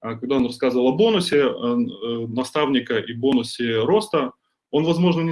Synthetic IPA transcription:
ɐkɐɡ̚d̪aonrɐskazɨvəlˠɐbo̞nʊsʲɪ | nɐst̪avnʲɪkəʔibo̞nʊsʲɪɾo̞st̪ə | o̞nvɐzmo̞ʐnənʲɪ

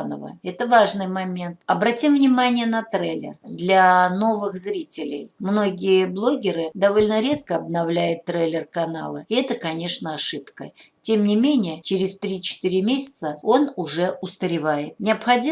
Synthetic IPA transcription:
nə̰və̰ɛt̪əvaʐnɨjmɐmʲe̞nt̪ɐbɾɐtʲimvnʲɪmanʲɪjənɐt̪ɾelʲːɪ̰rd̪lʲɐno̞vɨxzɾʲitʲɪlʲɪ̰jmno̞ɡʲɪjəblˠo̞ɡʲɪɾɨd̪ɐvo̞lʲnəɾʲe̞t̪̚kəɐbnɐvlʲæjʊt̪ːɾelʲɪrkɐna̰lˠəɪɛt̪əkɐnʲe̞ʂnəɐʂɨpkə̰tʲe̞mnʲɪmʲenʲɪjət͡ɕɪɾʲɪst̪ɾʲit͡ɕɪ̥t̪iɾʲɪmʲesʲɪ̥t̪səo̞nʊʐɛʊst̪əɾʲɪvajɪt̪nʲɪɐpxɐdʲi

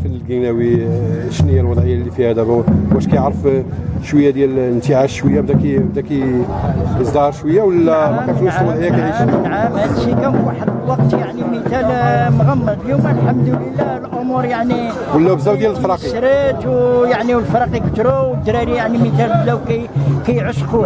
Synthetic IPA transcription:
fənːəlɡinæwiʃnhəjælwɑd̪ˤʕəjːalːifihæd̪æbæwæʃkæjəʕɾəfʃwəjːad̪jælnt̪iʕaʃwəjːabd̪ækbd̪æki | jəsˤd̪ɑhɑɾˤʃwəjːawəlːææʒluslwɑd̪ʕəjːakæiʃʕamhæd̪ʃikæwaħəd̪wɑqt̪jaʕnimət̪ælmɣæmːədfljuməlħamːd̪ələlːælʕʊmuɾjaʕni | wəlːæbzæd̪jæləlfɾˤɑqiʃɾit̪wjaʕniwəlfɾˤɑqikə̥t̪ɾuwd̪ɾˤɑɾijaʕnimət̪ælbd̪æwkækæjʕʊʃqu

